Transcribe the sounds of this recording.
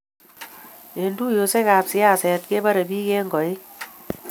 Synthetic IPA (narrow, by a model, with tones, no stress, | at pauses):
e˨ndu˦jo˧se˦kaː˨psi˦a˦˨sɛ˨t̚ke˦bɐ˦ɾɐ˨biː˦ke˦ŋɡɔ˨i˦